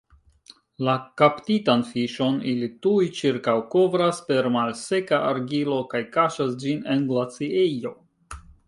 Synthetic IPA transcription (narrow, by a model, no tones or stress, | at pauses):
lakaptitanfiʃo̞nilitujt͡ʃiɾkawko̞vɾaspe̞ɾmalse̞kaʔaɾɡilo̞kajkaʃasd͡ʒine̞nɡlat͡siejo̞